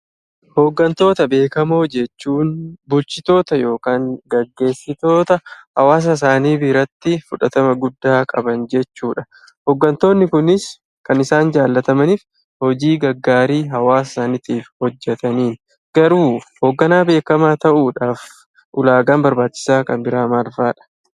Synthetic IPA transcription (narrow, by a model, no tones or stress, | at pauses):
hoːɡːɐnt̪o̞ːt̪ɐbe̞ːkɐmo̞ːd͡ʒɛt͡ʃːuːnbʊlt͡ʃɪt̪o̞ːt̪ɐjo̞ːkaːŋɡɐɡːe̞ːsːɪt̪o̞ːt̪ɐhɐwaːs̬ɐɪs̬aːniːbɪɾɐt̪ːɪfʊᶑɐt̪ɐmɐɡʊd̪ːaːkʼɐbɐnd͡ʒɛt͡ʃːuːᶑɐ | hɔːɡːɐnt̪o̞ːnːɪkʊnɪs | kɐnɪsaːnd͡ʒaːlːɐt̪ɐmɐniːf | hɔd͡ʒiːɡɐɡːaːɾiːɦɐwaːs̬ɪsaːnɪt̪iːfhɔd͡ʒːɛt̪ɐniːn | ɡ̥ɐɾuːhoːɡːɐnaːbe̞ːkɐmaːt̪ɐʔuːᶑaːf | ʔʊlaːɡaːnbɐɾbaːt͡ʃːɪ̥saːkɐmbɪɾaːmɐlfaːᶑɐ̥